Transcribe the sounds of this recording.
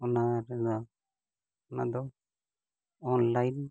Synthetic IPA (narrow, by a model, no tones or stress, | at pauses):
ɔnaɾɛd̪a | ɔna̰d̪ɔ | ɔnlajn